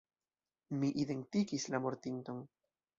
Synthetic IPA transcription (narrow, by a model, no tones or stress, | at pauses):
miʔide̞nt̪ikislamo̞ɾt̪int̪o̞n